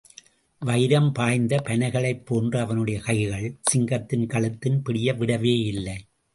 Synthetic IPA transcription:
ʋɐɪɾɐmpaːjnd̪ɐpɐnɐɪɣɐɭɐɪpːoːndrɐɐʋɐnɯɽɐjɐkɐɪɣɐɭsɪŋɡɐt̪ːɪnkɐɭɯt̪ːɪnpɪɽɪjɐʋɪɽɐʋeːɪlːɐɪ

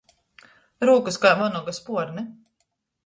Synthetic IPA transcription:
ɾuɔkɨskajvɔnɔɡaspuɔɾnɛ

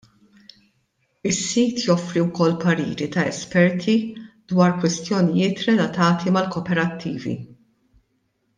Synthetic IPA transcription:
ɪsːiːt̪jɔfɾiwkɔlːpɐɾḭːɾit̪ɐɛspɛɾt̪ʰid̪wɐːɾkwɪst̪jɔnijɪːt̪ɾɛlɐt̪ɐːt̪imɐlkɔːpɛɾɐt̪ʰːiːvḭ

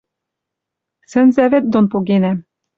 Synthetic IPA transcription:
sɘ̆nzævet̪̚d̪onpoɣenæ

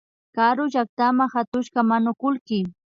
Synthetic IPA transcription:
kaɾʊʒak̚t̪amaŋhat̪ʊʃɢamanʊkʊlkɪ

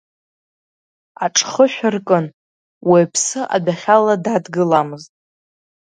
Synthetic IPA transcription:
aʈ͡ʂʼχəħʷᶣʊrkʼɨn | wepʰsɨʔa̰daχʲaladadɡɨlamɨztʼ

